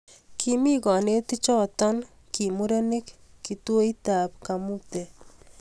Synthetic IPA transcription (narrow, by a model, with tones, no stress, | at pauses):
kʰimi˦kɔ˨ne˦ti˦t͡ʃɔ˦tɔ˦n | ki˨mu˦ɾe˦nɪ˦kːi˨two˦i˦ta˨p̚kamu˦p̚te˨